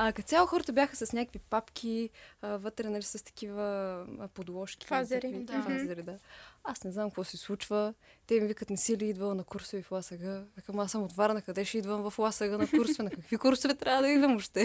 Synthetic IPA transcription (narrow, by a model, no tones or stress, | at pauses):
ɐkɐt̪t̪sʲjalˠʊxɔɾət̪əbʲjaxəsɐsnʲakəkvipapk̟ʰʲivɤt̪ɾɛnɐlisɐst̪ɐ̥k̟ivəpod̪lˠɔʃkʲi̥azɛɾiafazɛɾid̪aasnɛznamkvɔsɛslˠut͡ʃvət̪ɛmivikət̪nɛsiliid̪vɐlˠɐnɐkuɾsoviflˠasɐɡəvɛkamasəmot̪vaɾnɐkɐd̪ɛʃɛid̪vəmvɐflˠasəɡənɐkuɾsovɛnɐkɐkvikuɾsovɛt̪ɾʲavəd̪ɐid̪vɐmoʃt̪ɛ